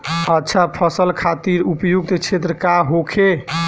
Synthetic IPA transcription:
ətːt͡ʃʰapʰəsəlkʰat̪iɾupjuɡ̚t̪t͡ʃʰet̪ɾəkaɦokʰe

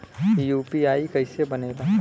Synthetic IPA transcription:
juːpiaːikɐɪsebɐneːɡa

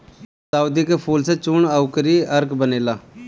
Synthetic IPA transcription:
saːud̪iːkepʰuːlseːt͡ʃʊɳaːʊkəɾiːəɾkbəneːlaː

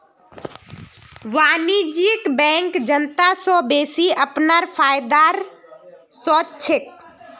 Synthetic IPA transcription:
ʋaːnid͡ʒiəkbɛ̃ŋkd͡ʒənt̪asɔbeːsiəpnaɾpʰaːjd̪aɾ | sɔt͡ʃʰɪk̚

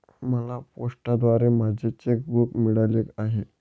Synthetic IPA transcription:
məlapoʂʈad̪ʋaɾemad͡ʑʱet͡ɕek̚bukmiɭalekaɦe

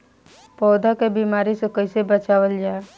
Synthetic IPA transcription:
pɔːd̪akebiːmaːɾisekəɪsebət͡ʃaːwəld͡ʒaːe

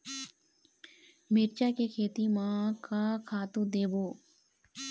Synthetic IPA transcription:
miɾt͡ʃakekʰeːt̪imãkakʰaːt̪ũd̪eːboː

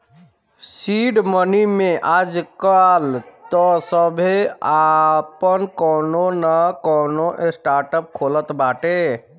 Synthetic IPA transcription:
siɖmənimeʔad͡ʒkalt̪ɔsəbʱeapənkɔnonəkɔnoʔesʈaɾʈəp̚kʰolət̪baʈe

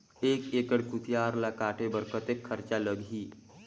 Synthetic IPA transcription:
eːkeːkəɽkut̪jaːɾlakaːʈʰebəɾkət̪ekʰːəɾt͡ʃaləɡɦiː

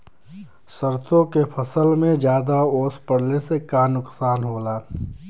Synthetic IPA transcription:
səɾt̪ʰõkepʰəsəlmẽd͡ʒjaːd̪aoːspəɽlesekaːnʊksaːnɦoːlaː

